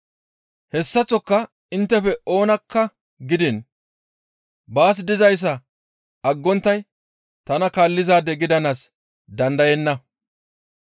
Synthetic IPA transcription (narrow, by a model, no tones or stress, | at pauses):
hɛsːɐt͡sːɔkːɐ | ɪnt̪ːɛfɛo̞ːnɐkːɐ | ɡɪd̪ɪn | baːs̬d̪ɪzɐjs̬ːɐ | ɐɡːɔnt̪ːɐj | t̪ɐnɐkaːlːɪzaːd̪ɛɡɪd̪ɐnas | d̪ɐnd̪ɐjɛnːɐ